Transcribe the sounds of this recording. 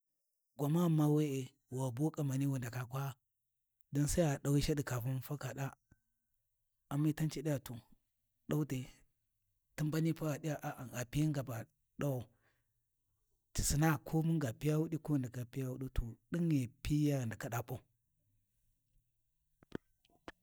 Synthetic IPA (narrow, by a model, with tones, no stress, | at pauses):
ɡʷa˨ma˦ma˦we˦e˨ | wa˨bu˦kʼa˨ma˨ni˦wu˨nda˨ka˨kʷa˦ | do˦nsa˦a˨da˨wi˦ʃa˦di˨ka˨fu˦n˦fa˦ka˨ɗa˦ | a˨mːi˦ta˦nt͡ʃi˨ɗi˦ja˨tu˨ | ɗa˦u˦te˨ | ti˦mba˦ni˦pa˦ɾa˨ɗi˦a˨ʔa˨ʔa˨ɡa˨pi˦a˦ŋɡa˨ba˨ | ɗa˦wo˨ | ti˨si˨na˦kʰo˦mu˦ŋɡa˨pi˦ja˦wu˦ɗi˦ko˦˨nda˨ka˨pi˦ja˦wu˦ɗi˦to˨ɗi˦ŋe˨pi˦ja˦ɾnda˨ka˨ɗa˨pʼo˦˨